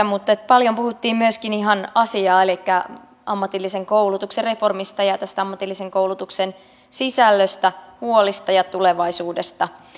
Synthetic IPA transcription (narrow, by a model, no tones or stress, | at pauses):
mut̪ːet̪pɑljompuhut̪ːiːmmyøskiniɦɑnɑsiɑːelikːæ | ʔɑmːɑt̪ilːise̞ŋkowlut̪uksere̞fo̞rmist̪ɑjɑt̪æst̪æɑmːɑt̪ilːiseŋkowlut̪uksen | sisælːøst̪æhuolist̪ɑjɑt̪uleʋɑisuːdest̪ɑ